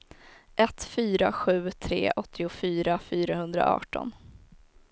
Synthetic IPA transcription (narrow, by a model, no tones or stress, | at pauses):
ʔɛt̪fyːɾaɧʉ̟ːt̪ʰɾḛːʔɔt̪ʰːɪʊfyːɾafyːɾahɵnd̪ɾa̰ʔɑ̰ːʈɔ̰n